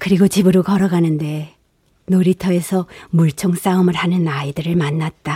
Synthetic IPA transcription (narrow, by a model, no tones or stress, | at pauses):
kɯɾiɡot͡ɕibɯɾokʌɾʌɡanɯnde̞ | noɾitʰʌe̞sʰʌmuɭt͡ɕʰoŋs͈aɯmɯɭhanɯnaidɯɾɯɭmanːat̚t͈a